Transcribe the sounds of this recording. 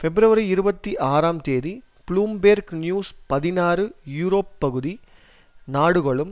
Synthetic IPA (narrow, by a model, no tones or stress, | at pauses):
fɛbɾɐʋɐɾɐɪɾɯbɐt̪ːiʔaːɾaːmt̪eːði | pɭuːmbeːɾɡnjuːspɐðɪnaːrɯjuːɾoːpːɐɣɯði | naːɽɯɣɔɭɯm